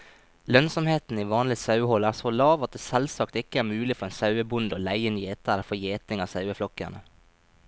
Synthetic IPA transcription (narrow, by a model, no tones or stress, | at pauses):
lœnsɔmheːt̪n̩iːʋɑːnlɪsɑʉhɔlæːʁsolɑːʋɑt̪̚d̪eːsɛlsɑːkt̪ɪkːəæːɾmʉːlɪfɔɾeːnsɑʉəbʊnd̪oːlæɪənjeːt̪əɾəfɔjeːt̪ɪŋɑːʋsɑʉəflɔkːæ̰nə